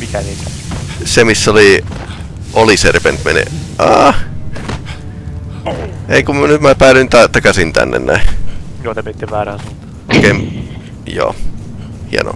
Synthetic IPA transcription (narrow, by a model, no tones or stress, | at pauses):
mik̪ænek̪æ | semisːoli | ʔoliserpḛnt̪menḛʔɑː | eŋkummænyt̪mæpæːlynt̪ɑt̪ɑkɑsint̪æ̰nːḛnnæijoːt̪æmæsit̪ːeʋʋæːɾæːnsɑt̪ːɑ̥ʔokeim | jo̰ː | hḭɑ̰no̰